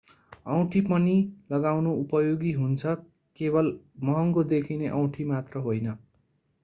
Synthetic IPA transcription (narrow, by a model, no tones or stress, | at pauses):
ʌw̃ʈʰipʌnilʌɡawnoupʌjoɡiɦunt͡sʰʌ | kebʌl | mʌɦʌŋkod̪ekʰineʔʌw̃ʈʰimat̪rʌɦojnʌ